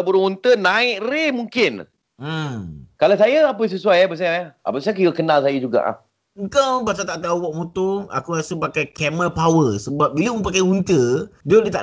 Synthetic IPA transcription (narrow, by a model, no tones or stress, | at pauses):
buɾʊhunt̪ənaɪʔremuŋkɪn | m̩kalasajəapəs̬əsuajabəs̬ajaaa̰pəsajakiwəkənalsajəd͡ʒuɡa̰ʔa̰h | ukawbas̬at̪aʔt̪auwɔʔ̚mot̪oa̰kuɾasəpakajkɛməpawəsəbap̚biləmə̃pakajhunt̪ədodiət̪aʔ